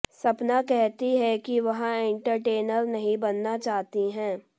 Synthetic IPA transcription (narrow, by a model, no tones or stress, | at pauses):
sɐpnakɛɦt̪iɦɛkiʋɐɦãɪ̃ɳʈəɾʈeːnəɾnɐɦĩbɐnːat͡ʃaːɦt̪iɦɛ̃ː